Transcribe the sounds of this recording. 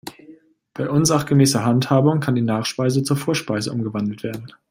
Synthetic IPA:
b̥aɪʔʊnzaχɡ̥əmɛːsɐɦanthaːbʊŋkʰandiːnaːχʃpaɪzət͡suːɐfoːɐʃpaɪzəʔʊmɡəvandl̩tv̥eːɐdn̩

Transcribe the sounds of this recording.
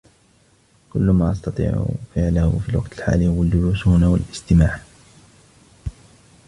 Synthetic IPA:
kʊlːʊmaːʔɑst̪ɑt̪ˤḭːʕʊ̰fɪʕlahʊ̰fiːlwɑqt̪ɪlħa̰ːlihʊwald͡ʒʊluːshʊnawalʔɪst̪ɪmaːʕ

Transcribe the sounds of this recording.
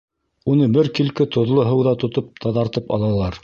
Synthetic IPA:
unɤbɘɾkilkɘt̪ŏðlˠoɦɤ̆wðɑt̪ŏt̪op̚t̪ʰɑðɑɾt̪ɤpɑ̰lˠɑlˠɑɾ

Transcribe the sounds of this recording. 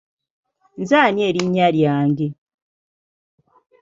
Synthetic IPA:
nzaːnieːɾiɲːaljaːŋɡe

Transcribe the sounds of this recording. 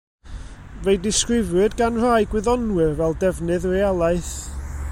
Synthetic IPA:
vejdɪskrɪvɨdɡanr̥ajɡwɪðɔnwɨrvɛlˠdɛvnɨðrealˠaɨθ

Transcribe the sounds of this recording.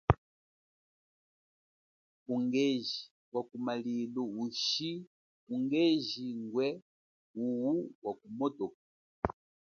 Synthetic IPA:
uŋɡɛʒi | wakumaliluuʃi | uŋɡɛʒiŋɡwɛ | uwuwakumɔtɔk

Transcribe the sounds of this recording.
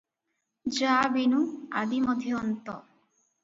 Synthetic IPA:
d͡ʒabenua̰d̪imɔd̪ʱjːnt̪ɔ

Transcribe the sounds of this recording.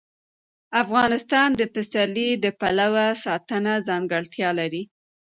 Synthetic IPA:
afɣɑnɪst̪ɑnd̪əpɪsalid̪əpalawasɑt̪ənazɑŋɡəɽt̪jɑlaɾi

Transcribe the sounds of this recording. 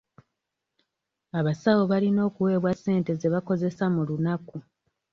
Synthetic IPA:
aβasawo̞βalino̞ːkuwe̞ːβwasːe̞ːnte̞zeβako̞ze̞samulunaku

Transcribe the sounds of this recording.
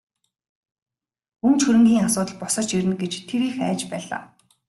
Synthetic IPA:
unt͡ɕxɵɾɘ̆ŋɡʲiːŋasʊːt̪ə̆ɮpʊsə̆t͡ɕiɾɘ̆nɡet͡ɕt̪ʰeɾiːxæːt͡ɕpæːɮa̰ː

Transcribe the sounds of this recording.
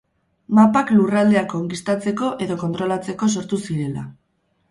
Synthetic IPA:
mapaklurald̪e̞akooŋkist̪at͡se̞ko̞ʔe̞ðo̞ko̞nt̪ɾo̞lat͡se̞ko̞s̬o̞ɾt̪usiɾe̞la̰

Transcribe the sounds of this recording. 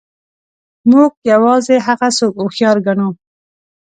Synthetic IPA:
muɡ̚jawɑzeɦaɣasokoxjɑɾɡano

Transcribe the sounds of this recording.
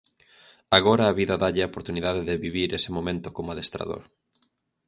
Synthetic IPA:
aɣoɾɐːβiðɐðaʎɪaopoɾt̪uniðaðɪðɪβiβiɾesɪmomẽnt̪ʊkomaðest̪ɾa̰ðo̰ɾ

